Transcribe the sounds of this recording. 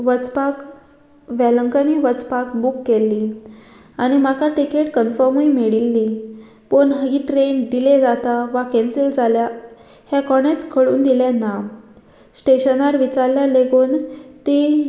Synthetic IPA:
ʋət͡spak | ʋɛləŋkəniʋət͡spakbukːelːi | aɽ̃imakaʈikeʈkənfəɾmimeɽilːi | poɳɦəɡiʈɾenɖiled͡zat̪aʋakɛ̃nsild͡zʱalja | hjakɔɽ̃et͡skʰəɭṵːnd̪ilãnːa | sʈeɕənaɾʋit͡saɾljaleɡoːnt̪i

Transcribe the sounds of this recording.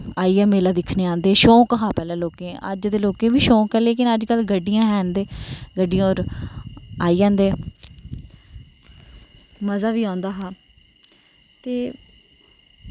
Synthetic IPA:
aːiːɦɛːmeːlaːd̪ɪkʰneːãːnd̪eːʃõːkɦãːpɛːlɛ̃ːloːkẽːʔə̰d͡ʒd̪eːloːkẽːʋiːʃõːkɦɛːleːkɪnəd͡ʒkəlɡəɖːɪjãːɦɛːnd̪eːɡəɖɪijãːoːɾ | aːiːãːnd̪eː | məzaːʋiːãːnd̪aːɦaː | t̪eː

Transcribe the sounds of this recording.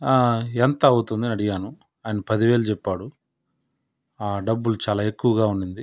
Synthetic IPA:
aːent̪ɐːwut̪und̪inɐɽiɡaːnu | aːjɐnɐpɐd̪iʋeːlut͡ʃɛpːaːɽu | aːɖɐbːulut͡ʃaːlaːe̞kːuʋɐɡaːuɳɖind̪i

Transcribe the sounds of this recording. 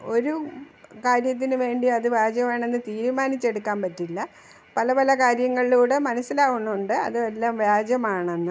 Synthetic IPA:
o̞ɾukaːɾjɐt̪̬ːinɨʋe̞ːɳɖiɐðɨʋjaːd͡ʑjɐmaːɳe̞nːɨt̪iːɾumaːnit͡ɕːe̞ɽukːaːmpɐtːilːɐ | pɐlɐpɐlɐkaːɾjɐŋːɐɭiluːɽemɐnɐsːilaːɣunːuuɳɖɨɐ̰ðɨelːaːmʋjaːd͡ʑjɐmaːɳenːɨ

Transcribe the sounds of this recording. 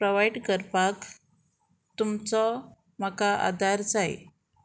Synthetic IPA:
pɾoʋajɖkəɾpak | t̪umt͡sɔ | m̤akaʔa̰d̪ʱaɾd͡zaj̰

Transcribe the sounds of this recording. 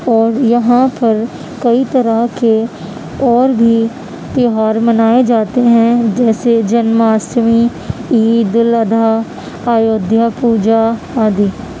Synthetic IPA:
ɔːɾjɐɦãpɐɾ | kɐit̪ɐɾəke | ɔːɾbʱi | t̪ɪɦaːɾmənaːed͡ʒaːt̪eɦɛ̃d͡ʒɛːsed͡ʒənmaːsmi | iːd̪ɪləd̪ʱaː | aːjoːd̪ʱjapuːd͡ʒa | aːd̪iː

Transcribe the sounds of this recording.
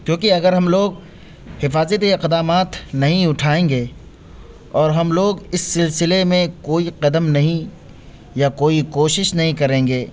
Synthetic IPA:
kjõːkiɐɡəɾɦɐmloːɡ̚ | hɪfaːzət̪iɪqd̪aːmaːt̪nɐɦĩʊʈʰaːẽːŋɡeː | ɔːɾɦɐmloːɡɪsːɪlsɪlemẽkoːiqɐd̪əmnɐɦĩ | jakoːikoːʃɪʃnɐɦĩkɐɾẽːŋɡeː

